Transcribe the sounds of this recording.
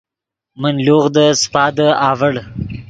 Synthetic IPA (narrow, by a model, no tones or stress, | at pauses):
mənloːɣd̪əspɑːd̪əɑːvəɽ